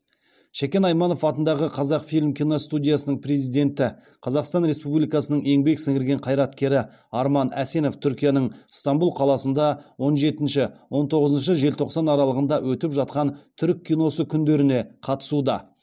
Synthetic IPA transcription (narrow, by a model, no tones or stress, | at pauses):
ʃekʲe̞nɑjmɑno̞fɑt̪ənd̪ɑʁəqʰɑzɑqfijlʲmkʲʰijno̞st̪ud̪ʲijasənəɴpre̞zijd̪e̞nt̪ɪ | qʰɑzɑqst̪ɑnɾe̞spublijkɑsənəɴe̞ŋbe̞ksɪŋɡɪɾɡʲe̞ɴqʰɑjɾɑt̪kʲe̞ɾɪ | ɑɾmɑnæse̞no̞ft̪ʰʏɾkʲijanəɴst̪ɑmbulˠqʰɑlˠɑsənd̪ɑwo̞nʒe̞t̪ɪnʃɪwo̞nt̪ʰo̞ʁəzənʃ̬əʒe̞lt̪ʰo̞qsɑnɑɾɑlˠəʁənd̪ɑwʔɵt̪ɪpʒɑt̪̚qɑnt̪ʰʏɾkʲʰːijno̞səkʲʰʏnd̪e̞ɾɪne̞qʰɑt̪ə̥sud̪ɑ